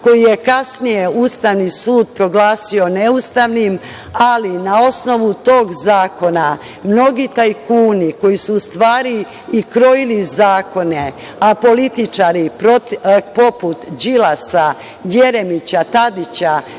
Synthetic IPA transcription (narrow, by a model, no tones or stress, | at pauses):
ko̞jije̞kasnijeuːst̪aʋnisuːd̪pɾo̞ɡlaːsio̞neust̪aʋnim | alinao̞sno̞ʋut̪o̞ːɡzaːko̞na | mno̞ɡit̪ajkuːniko̞jisuːst̪ʋaːɾiː | kɾo̞jilizaːko̞ne | apo̞lit̪it͡ʃaɾipɾot̪po̞put̪d͡ʑilasa | je̞ɾemit͡ɕat̪ad̪it͡ɕa